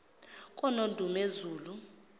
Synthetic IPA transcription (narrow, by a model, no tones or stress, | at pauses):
kʼɔnondʱumezuːlu